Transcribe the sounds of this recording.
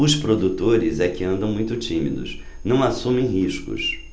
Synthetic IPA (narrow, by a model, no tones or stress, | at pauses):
ʊspɾod̪ut̪oɾɪzɛkɪɐ̃nd̪ɐ̃w̃mũj̃t̪ʊt͡ʃĩmḭd̪ʊ̰s | nɐ̃w̃asũmẽj̃ɦiʃkʊ̰s